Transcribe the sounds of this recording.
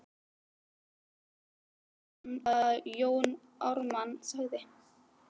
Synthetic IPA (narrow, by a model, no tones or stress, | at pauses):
ajoːwn | ɔwɾmansaɣðɪ